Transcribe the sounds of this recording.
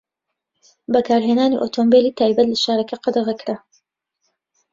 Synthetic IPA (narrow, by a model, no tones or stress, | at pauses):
bɐkʰaːɾɦeːnaːnḭʔoːt̪ʰombeliːt̪ʰaːjbɐt̪lɐʃaːɾɐkʰɐqɑd̪ɐɣɐkɾa